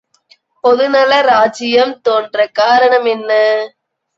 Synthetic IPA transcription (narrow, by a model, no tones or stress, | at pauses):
pɔðɯnɐlɐɾaːt͡ʃɪjɐmt̪oːndrɐkaːɾɐɳɐmɛnːɐ